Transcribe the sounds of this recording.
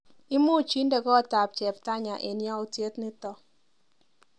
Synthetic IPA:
ɪ˦mʊ˦˨t͡ʃi˦nde˨kɔ˦˨ta˨p̚t͡ʃɛ˨pta˦ɲa˨ʔe˨njɔ˦u˦tje˦tnɪ˦tɔ˦

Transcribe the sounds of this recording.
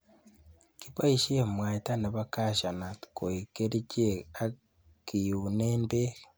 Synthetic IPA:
kipa˦iʃe˦˨mwaː˨ita˦na˨βa˦ka˦ʃa˨na˨ti̥ko˨i˨ke˦ɾi˦ce˦a˦ | ki˨juneːmbe˦ɣe

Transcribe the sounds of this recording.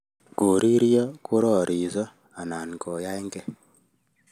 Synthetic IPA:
ko˨ɾi˦ɾjɔ˦ku˦ɾɔ˦˨ɾʔi˨zɔ˦ | a˨na˨n˨kɔ˨ja˦e˦ŋɡɛ˦

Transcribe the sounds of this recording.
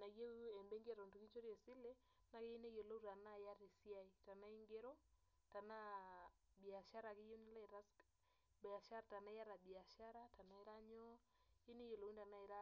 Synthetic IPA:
na˨ɡe˦ɛ˨mbe˦ŋɡe˦ɾo˨ndu˨ki˦ɲt͡ʃo˦ɾje˨si˦le˦ | na˦ke˦i˦ne˦jo˨lo˦u˦ɾa˨na˦˨ja˦ɾi˨si˦a˦i˨ta˨na˦i˦ŋɡe˦ɾɔ˦ | ta˨na˦ | bi˨a˨ʃa˦ɾa˨kɪ˦o˦n˦le˦ɾa˦sk | ba˨ʃa˦ɾa˨ta˨na˦ja˦ɾa˨bi˨a˨ʃa˦ɾa˦ta˨na˦i˦ɾa˦ɲɔ˦ | i˦ne˦jo˨lo˨wi˦nda˨na˦i˨ɾa˦

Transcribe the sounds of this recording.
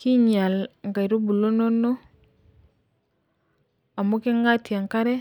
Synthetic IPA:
ki˦ɲa˨lŋɡa˨jɾo˦bu˨lo˦no˦no˦ | a˨mo˦ke˦ŋɡa˦ti˨a˨ŋka˦ɾɛ˦

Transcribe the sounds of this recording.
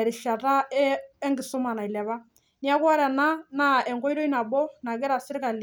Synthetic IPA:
ɾɪ˨ʃa˨ta˦ɛɛ˦ŋɡɪ˨sʊ˦ma˨na˨i˨lɛ˨βa˦ | ni˦a˦kɔ˦ɾɛ˨na˦na˦ɛ˨ŋɡɔ˦i˦ɾɔ˦i˦na˨bɔ˦na˨kɛ˦ɾa˨sɪ˦ɾɪ˦ka˨l

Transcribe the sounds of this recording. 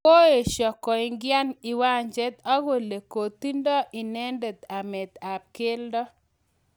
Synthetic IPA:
ko˦e˨ʃɔ˨kɔ˨i˨ŋɡɪa˦ni˨wa˦ɲd͡ʒɛ˦t̪a˦ɡo˨le˨ko˨t̪i˦ndɔ˦ʔi˨nɛ˦nde˨t̪a˨mɛ˨t̪a˨p̚kɪ˦ldɔ˦

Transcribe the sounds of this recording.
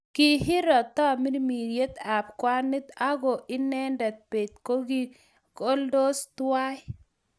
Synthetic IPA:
kɪ˦ɦɪ˦ɾɔ˨t̪a˦mi˦ɾmi˨ɾje˦t̪a˨p̚kwa˦nɪ˦t̪a˦ɡo˨ʔɪ˦nɛ˦ndɛ˨t̪̚pe˨t̪̚ko˦ɡi˦ | ko˦ldo˦st̪wa˦

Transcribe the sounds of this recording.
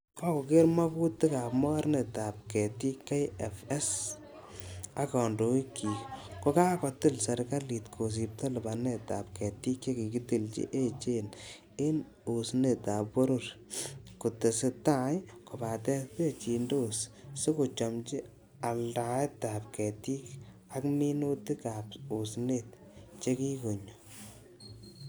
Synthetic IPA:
kɔ˦kʊ˨kɪ˦ɾma˦ku˦tɪ˦ka˨pmɔ˦wa˦ɾne˨ta˨p̚kɛ˨ti˦kːa˦jɛfɛ˦s | a˦kɔ˨ndo˨i˦kʰi˨kʊ˦kaː˦kɔ˨tɪ˦lsɛ˨ɾka˦li˨tkʰo˨s̬i˨p̚tɔ˦lɪ˨ba˨ne˦˨ta̰˨p̚kɛ˨ti˦ke˦ki˨kɪ˦ti˨lt͡ʃḭ˦ʔe˦t͡ʃe˦n | ɪ˦n | u˨sne˨ta˨pwɔ˦ɾo˦ɾkʊ˨te˨sɪ˦ta˦jkʊ˨ba˨tɛ˦spe˦˨t͡ʃi˨ndo˦ssʊ˦kʊ˨t͡ʃɔ˨mt͡ʃɪ˦ | a˨lda˨ɛ˦ta˨p̚kɛ˨ti˦k | a˦kmi˦no˦tɪ˦ka˨pu˨snet | t͡ʃe˦ki˦ko˨ɲo

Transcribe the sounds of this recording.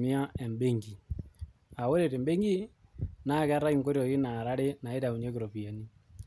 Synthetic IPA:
mɪ˦a˦ɛ˨mbe˦ŋɡi˨ | a˨wo˦ɾe˨te˨mbe˦ŋɡi˦na˦˨kɛ˦a˦ɾa˦ki˦ŋko˦ɾjɔ˨ki˦na˨ɾa˦ɾe˦na˨e˦ta˨mu˨ɲe˦kɪ˨ɾo˨pi˨a˨ni˦

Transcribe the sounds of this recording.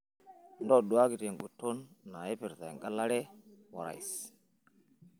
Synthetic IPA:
ndo˦ɗu˨wa˦ɡi˨te˨ŋ˨ɡu˨tːo˦nːa˨je˦pi˨ɾza̰˨jŋɡa˦la˦ɾe˦wa̰˨ɾa̰˨js

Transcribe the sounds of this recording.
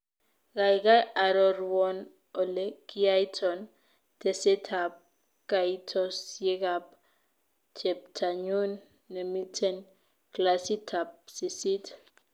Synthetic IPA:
ɣa˨jka˦ja˨ɾɔ˨ɾwɔn | ɔ˨le˦ki˦a˦jtʰɔn | tese˦tʰap̚ | kaitʰɔsje˦kap̚ | t͡ʃʰɛ˨p̚tʰa˨ɲu˦nː | e˨mi˦tʰɛ˨n | klasi˦tʰap̚si˨si˦t

